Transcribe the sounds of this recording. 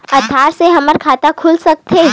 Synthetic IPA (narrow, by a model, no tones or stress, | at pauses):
ɐt̪ʰaːɾseɦɐməɾkʰaːt̪akʰʊlsɐk̚t̪e